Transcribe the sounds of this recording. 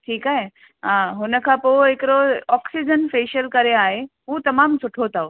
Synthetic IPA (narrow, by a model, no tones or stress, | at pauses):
ʈʰiːkaːɦe | ɦãɦʊnəkʰãːpoekɾoɔːksid͡ʑənfeːʃəlkɐɾeaːɦeɦũːt̪ɐmaːmsʊʈʰot̪ao